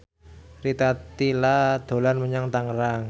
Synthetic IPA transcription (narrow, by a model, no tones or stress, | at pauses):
rit̪at̪ilad̪̥o̤lanməɲaŋt̪aŋɾaŋ